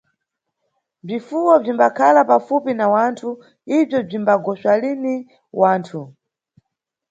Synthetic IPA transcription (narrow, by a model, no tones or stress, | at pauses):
b͡ʐifuwɔb͡ʐimbakʰalapafupinawantʰu | ib͡ʐjɔb͡ʐimbaɡɔswalini | waːntʰu